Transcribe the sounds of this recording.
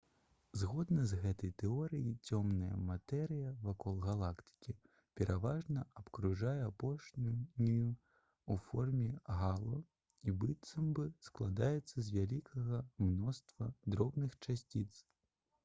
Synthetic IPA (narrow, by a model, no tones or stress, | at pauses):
zɣɔd̪nɐzɣɛt̪ɐjt̪ɛɔɾɨjit͡sʲɔmnɐjɐ̰mat̪ɛɾɨjɐvakɔlˠɣalˠakt̪ɨ̥kʲi | pʲɛɾʔavaʐnɐɐpkɾuʐajɛapɔʂnʲujnʲiju | ufɔrmʲɛɣalˠɔ | ibɨt̪sɐmbɨsklˠad̪ajɛt̪sːɐzʲvʲalʲikʰɐɣɐmnɔst̪vɐd̪ɾɔbnɨxt͡ʂasʲt͡sʲit̪s